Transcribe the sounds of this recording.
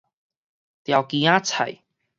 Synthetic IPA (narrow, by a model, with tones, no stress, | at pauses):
t̪ja˨˩wki˨˦ãː˦t͡sʰa̰˨˩j